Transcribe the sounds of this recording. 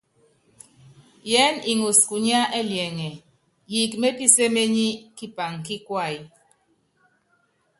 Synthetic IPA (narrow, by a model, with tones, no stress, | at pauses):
jɛ˨˦ni˨ŋu˨sku˨ɲ˦a˦ʔɛ˦ljɛ˨ŋɛ˨ | ji˨kme˦pi˦se˦me˦ɲi˦ki˦pa˨ŋki˦kwa˦˨ji˨